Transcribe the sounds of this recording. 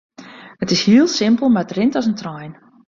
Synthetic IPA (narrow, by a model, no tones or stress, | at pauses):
ətɪshiəlˠsɪmpəlˠmarətrɪntɔsəntrɔjn